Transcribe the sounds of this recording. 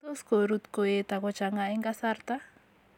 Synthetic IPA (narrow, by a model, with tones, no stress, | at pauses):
to˦sko˨ɾu˦t̪ko˨je˦t̪a˨kɔ˨t͡ʃaŋa˨ɛ˦ŋɡa˦sa˦rt̪a˦